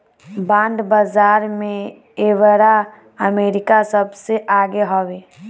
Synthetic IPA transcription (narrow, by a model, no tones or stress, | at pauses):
bãːnd̪bazaːɾmẽ | eʋəɾa | əmeːɾɪkasəbseʔaːɡeɦoʋeː